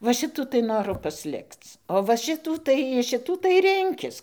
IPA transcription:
ʋɐ ˈʃʲɪtuː tɐɪ ˈnoːrʊ pɐsʲˈlʲɪkt͡s oː ʋɐ ˈʃʲɪtuː tɐɪ ɪʃ ˈʃʲɪtuː tɐɪ ˈrʲɪŋʲkʲɪs

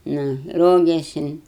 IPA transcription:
ˈnʊ ˈroːɡʲeːsʲɪn

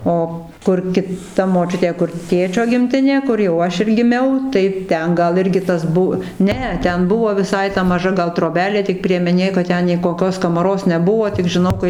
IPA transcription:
ˈoː ˈkʊr kʲɪˈtɐ moːˈt͡ʃʲʊtʲeː kʊr ˈtʲeːt͡ʃʲoː ɡʲɪmʲˈtʲɪnʲeː ˈkʊr jɛʊ ˈɐʃ ɪr ɡʲɪˈmʲɛʊ tɐɪ ˈtʲɛn ˈɡɐlˠ ˈɪrʲɡʲɪ ˈtɐs ˈbʊ ˈnʲɛ ˈtʲɛn ˈbʊʋoː ʋʲɪˈsɐɪ tɐ mɐˈʒɐ ˈɡɐlˠ troːˈbʲæːlʲeː tʲɪk pʲrʲiɛmʲɛˈnʲeː kɐt ˈtʲɛn nʲɛɪ koːˈkʲoːs kɐmɐˈroːs nʲɛˈbuɔ tʲɪk ʒʲɪˈnɐʊ kɐɪ

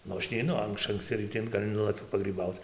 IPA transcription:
ˈnʊ ˈɐʃ nʲɛɪˈnʊ ˈɐʃ ɐŋkˈsʲt͡sʲɪ rɨˈtʲɪ ɡɐlʲ ˈnʊlˠɐkʲʊ pɐɡrʲiːˈbɐʊt͡s

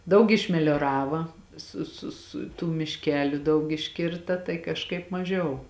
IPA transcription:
ˈdɐʊk ɪʃʲmʲɛlʲoːˈrɑːʋɐ ˈsʊ sʊ sʊ tuː mʲɪʃʲˈkʲæːlʲʊ ˈdɐʊk ɪʃʲˈkʲɪrtɐ tɐɪ kɐʃˈkɐɪp mɐˈʒʲɛʊ

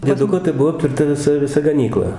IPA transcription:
ˈdʲiɛdʊkoː tɐɪ ˈbuɔ ɐpʲtʲʋʲɛrˈtɐ ʋʲɪˈsɐ ʋʲɪˈsɐ ɡɐˈnʲiːklˠɐ

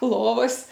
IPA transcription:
ˈlˠoːʋɐs

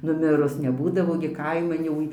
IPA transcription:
nʊˈmʲɪrʊs nʲɛˈbuːdɐʋoː ɡʲɪ ˈkɐɪmɐn jɛʊ

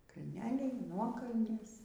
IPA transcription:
kɐlʲˈnʲæːlʲɛɪ ˈnuɔkɐlʲnʲeːs

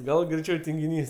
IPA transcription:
ˈɡɐlˠ ɡrʲɛɪˈt͡ʃʲɛʊ tʲɪŋʲɡʲɪˈnʲiːs

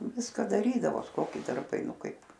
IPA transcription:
ˈʋʲɪskɐ dɐˈrʲiːdɐʋoːs ˈkoːkʲɪ dɐrˈbɐɪ ˈnʊ ˈkɐɪp

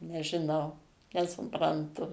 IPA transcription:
nʲɛʒʲɪˈnɐʊ nʲɛsʊprɐnˈtʊ

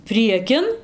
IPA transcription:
ˈpʲrʲiɛkʲɪn

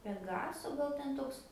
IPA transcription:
pʲɛˈɡɑːsoː ˈɡɐlˠ ˈtʲɛn ˈtoːks

